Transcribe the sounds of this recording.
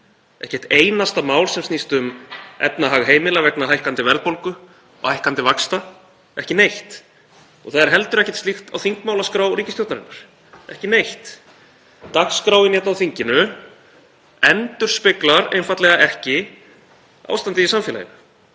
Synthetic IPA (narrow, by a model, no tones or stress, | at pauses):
ɛ̰hcɛht̪eːjnast̪amaːwlsɛmst̪ist̪ʏmɛ̰t̪naɦaːɣɦeːjmɪlavɛknaɦajhkant̪ɪvɛɾðpowlkʏ | ɔ̰hajhkant̪ɪvakst̪a | ɛhcɪnejht̪ | ɔɣθaðɛɾ̥ɦɛlt̪ʏɾɛhcɛ̥t̪st̪ixt̪awθiŋkmawlaskɾaːwɾiːcɪsjowt̪naɾɪnːaɾ̥ | ɛ̰hcɪnejht̪ | t̪akskɾaːwɪnjɛt̪nawθiɲcɪnʏ | ɛnt̪ʏɾ̥spɪklaɾḛjnfat̪lɛɣaʔɛhcɪ | a̰wst̪ant̪ɪðisamfɛla̰jɪ̰nʏ